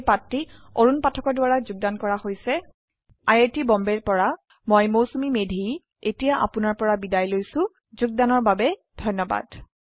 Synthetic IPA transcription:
patːioɹunpatʰɔkɔɹdʊwaɹazuɡ̚dankɔɹahojsɛ | ajetibɔmbɛɹpɔɹa | mɔjmowsumimedʱi | etijaʔa̰pʊnaɹpɔɹabidajlojsʊ̃ | zuɡ̚danɔɹbabɛdʱɔjnːɔba̰d̥

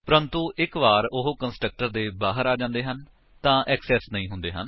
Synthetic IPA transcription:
pɾə̃nt̪ũːʔɪkʋaːɾʊɦoːkənsʈɾək̚ʈəɾd̪eːbaːɦəɾaːd͡ʒãːnd̪eːɦən | t̪ãːʔɛːksɛːsnəĩːɦʊnd̪eːɦən

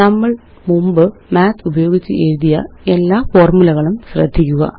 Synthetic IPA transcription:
nɐmːɐɭ | mumbɨmaːt̪ʰubɐjo̞ːɡit͡ɕːɨʔeɻuðijɐ̰e̞lːaːfo̞ːrmulɐɣɐɭumɕrɐ̰d̪ʱːikʲːuɣɐ̰

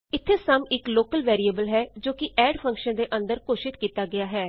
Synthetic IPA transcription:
ɪt̪ʰːeːsəmɪkloːkəlʋɛːɾiːəbəlɦɛːd͡ʒoːkɪʔɛːɖpʰə̃ŋkʃənd̪eːʔə̃nd̪əɾkoːʃɪt̪kiːt̪aːɡɪaːɦɛː

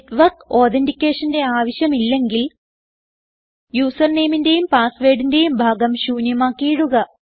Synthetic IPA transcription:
tʋɐrko̞ːt̪endikʲːe̞ːʂɐnde̞aːʋɐɕjɐmilːe̞ŋɡil | juːsɐrne̞ːminde̞jumpaːsʋeːɽinde̞jumbʱaːɡɐmɕuːnjɐmaːkːijːɽuɣɐ

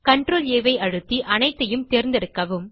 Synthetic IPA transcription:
kɐɳɖroːleːʋɐɪʔɐɻɯt̪ːiʔɐnɐɪt̪ːɐjɯmt̪eːɾnd̪ɛɽɯkːɐʋɯm

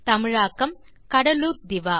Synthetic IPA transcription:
t̪ɐmɪɻaːkɐm | kɐɽɐluːt̪̚d̪ɪʋaː

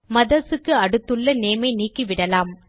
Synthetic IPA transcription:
mɐðɐsɯkːɯɐɽɯt̪ːɯɭːɐneːmɐɪniːkːiʋɪɽɐlaːm

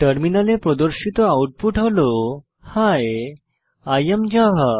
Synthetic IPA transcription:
ʈəɾminalepɾɔd̪əɾɕit̪ɔawʈ̚puʈʰaʋlo | haj | ajəmd͡ʑaɦə

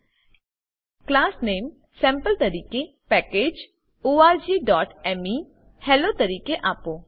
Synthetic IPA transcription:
klaːsneːm | sɛ̃ːmpəlt̪ɐɾiːke | pɛːkeːd͡ʒ | oːaːɾd͡ʒiːɖɔːʈɛmi | hɛlot̪əɾiːkeʔaːpoː

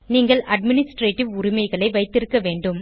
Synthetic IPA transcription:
niːŋɡɐɭʔɐɖmɪnɪsʈɾeːʈːɪʋʊɾɪmɐɪɣɐɭɐɪʋɐɪt̪ːɪɾɯkːɐʋeːɳɖɯm

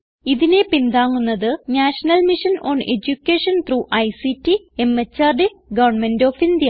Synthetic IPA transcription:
iðine̞pind̪aːŋːunːɐðɨnaːʂɐnɐlmiʂɐnoːnḛd͡ʑukʲːeːʂɐnt̪ruːʔɐjsitːi | emːet͡ɕːɐrɖe | ɡɐʋɐrɳmendoːfind̪ijɐ

